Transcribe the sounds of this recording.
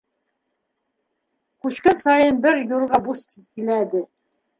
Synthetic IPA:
kʉɕkɘnsɑjɤnbɘɾjuɾʁɑbusk̪izkilæd̪ɘ

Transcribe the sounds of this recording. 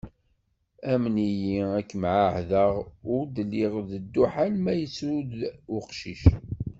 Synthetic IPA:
æmənijiækːmʕaʕðəʁʊɾd̪əlːɪʁðəd̪ːuħalmæjəsuðʊqʃiʃ

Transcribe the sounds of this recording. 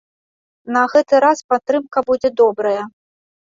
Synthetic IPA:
nɐɣɛt̪ɨɾaspat̪ɾɨmkɐbud͡zʲɛd̪ɔbɾɐjɐ

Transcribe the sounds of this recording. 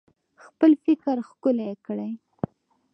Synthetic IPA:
xpəlfɪkɾxkʊlaekɽəj

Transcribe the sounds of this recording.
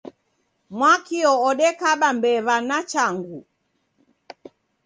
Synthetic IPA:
mwakiɔɔɗɛkaɓambɛβanat͡ʃaŋɡu

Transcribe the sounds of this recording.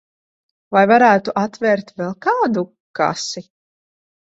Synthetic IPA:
vajvaɾæːt̪uʔat̪vɛɾt̪vɛlˠkaːd̪u | ka̰si

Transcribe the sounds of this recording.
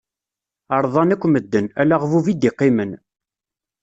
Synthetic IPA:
ɑɾˤðˤɑnækʷːməd̪ːənælaʁvuvid̪iqːɪmən

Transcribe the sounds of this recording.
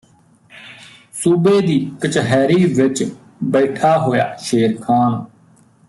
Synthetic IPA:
suːbeːd̪iːkət͡ʃɦɛːɾiːʋɪt͡ʃ | bəːʈʰaːɦoːja̰ːʃeːɾkʰaːn

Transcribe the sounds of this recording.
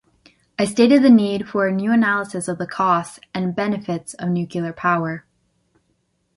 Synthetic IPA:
aɪsteɪɾɨd̪̚ðɨnid̥fə˞njʉɨnælˠəsɨsʌvðəkʰɔstɨ̃nbɛnɨfɪtsʌvnjʉkll̩ˠə˞pʰaʊə˞

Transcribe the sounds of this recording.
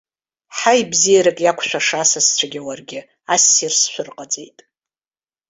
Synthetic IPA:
ħajbzijaɾakʼjakʷʰʃʷᶣaʂasast͡ʃʷʰaɡʲɪwarɡʲɪ | asːirsʃʷʊrqʼad͡zʼejtʼ

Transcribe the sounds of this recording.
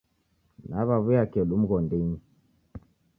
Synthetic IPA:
naβaβujakɛɗum̩ɣɔndiɲi

